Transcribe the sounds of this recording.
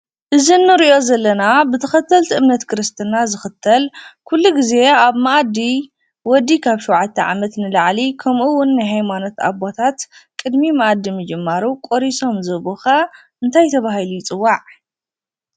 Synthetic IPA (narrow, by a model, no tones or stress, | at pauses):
ʔɨzinːɨɾiʔo̞zɐlːɐnabɨt̪ʰɐxɐt̪ʰːɐlt̪ʰʔɨmnɐt̪kʰɨɾɨst̪ʰɨnazɨxɨt̪ʰːɐlkʰulːuɡize̞aβmaʔad̪i | wɔd̪ːikʰaβʃuwʕat̪ʰːɐʕa̰mɐt̪nɨlaʕlikʰɐmʔuwʊnːajɦajmano̞t̪a̰bot̪ʰat̪kʼɨd̪mimɐʔad̪ːimɨd͡ʒɨmːaɾukʼoɾiso̞mzɨβuxa | ʔɨnt̪ʰajt̪ʰɐβahilujɪt͡sʼɨwːaʕ